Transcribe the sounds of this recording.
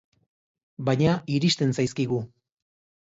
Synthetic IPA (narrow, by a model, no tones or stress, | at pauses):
baɲaiɾiʃt̪e̞nsajskiɣu